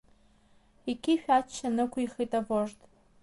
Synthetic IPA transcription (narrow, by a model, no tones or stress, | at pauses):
ikʲʰiʃᶣat͡ʃʰːanɨkʷʰʊiχejtʼavoʐtʼ